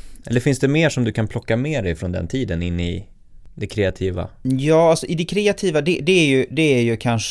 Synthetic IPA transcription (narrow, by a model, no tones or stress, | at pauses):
ʔɛ̰lːəɾfɪnsd̪ɛmeːʂɔmd̪ɵkʰanpʰlɔkːameːd̪ɛjfɾɔnd̪ɛ̰nt̪ʰiːd̪ənɪnːɪ̰ | d̪ɛkʰɾɛːat̪ʰiːva̰jɑːalsɔʔɪd̪ɛkʰɾeːat̪ʰiːvad̪ɛd̪ɛæɾjɵd̪ɛæɾjɵkʰanʂ